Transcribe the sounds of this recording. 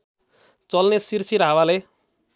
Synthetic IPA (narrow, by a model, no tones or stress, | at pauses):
t͡sʌlnesirsʰiɾɦawale